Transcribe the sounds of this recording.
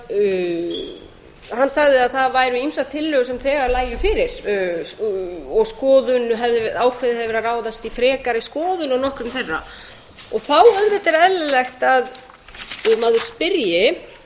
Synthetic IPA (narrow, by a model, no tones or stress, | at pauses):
hanːsaɣðɪaðθaðvaːjɾʏimsat̪ʰːɪlːœːɣʏsɛmθɛːɣaɾlaːjʏfɪːɾɪɾ̥ | ɔɣskɔːðʏnɦɛvðɪvaːwkʰvɛðɪhɛvðɪvɾaraːwðast̪ifɾɛːkaɾiskɔːðʏnanɔhkɾʏmθɛrːa̰ | ɔɣθawœɣvɪt̪ɛɾɛlːlɛxt̪að | maːðʏɾ̥spɪɾjɪ